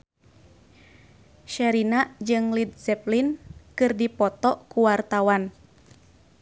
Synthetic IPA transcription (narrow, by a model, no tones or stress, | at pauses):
ʃɛɾinaʔd͡ʒɨŋlid̪̚zɛplinkɨrdipɔt̪ɔʔkuwart̪awan